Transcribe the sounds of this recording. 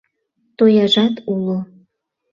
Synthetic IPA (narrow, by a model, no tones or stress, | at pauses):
t̪ojɑʒɑt̪ulo